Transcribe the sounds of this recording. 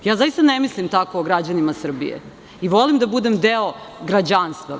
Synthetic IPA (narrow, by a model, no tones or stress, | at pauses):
jaːzajist̪anemislimt̪akoːɡɾad͡ʑanimasr̩bḭjḛ | iʋo̞limd̪abud̪emd̪eoɡɾad͡ʑanst̪va